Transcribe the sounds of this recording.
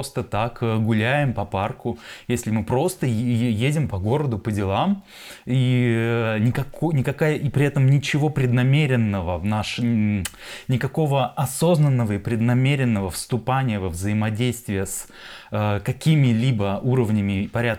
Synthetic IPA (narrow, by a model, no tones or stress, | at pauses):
ost̪ət̪akəɡʊlʲæjɪmpɐparkʊjesʲlʲɪmɨpɾo̞st̪əjedʲɪmpɐɡo̞ɾəd̪ʊpədʲɪlˠam | i | nʲɪkɐkonʲɪkɐkajəʔipɾʲɪɛt̪əmnʲɪt͡ɕɪvopɾʲɪd̪nɐmʲeɾʲɪnːəvəvnaʂ | nʲɪkɐko̞vəɐso̞znənːəvəɪpɾʲɪd̪nɐmʲeɾʲɪnːəvəfst̪ʊpanʲɪjəvəvzəɪmɐdʲejst̪vʲɪjəs | əkɐkʲimʲɪlʲibəuɾəvnʲɪmʲɪpɐɾʲat̪